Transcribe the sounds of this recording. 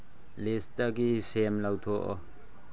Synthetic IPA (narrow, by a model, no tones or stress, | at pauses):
lestaɡisemlawt̪ʰɔʔɔ